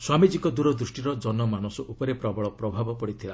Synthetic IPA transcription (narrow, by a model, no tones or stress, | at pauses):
swamid͡ʒikɔd̪uɾɔd̪ɾusʈiɾɔd͡ʒɔnɔmanɔsɔʔupɔɾepɾɔbɔɭɔpɾɔbʱabɔpɔɽit̪ʰila